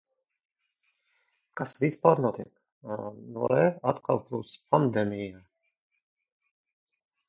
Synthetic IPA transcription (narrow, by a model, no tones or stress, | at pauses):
kasvispaːɾnɔt̪ik | nɔɾɛat̪kʰalˠplˠuspʰand̪ɛmijaː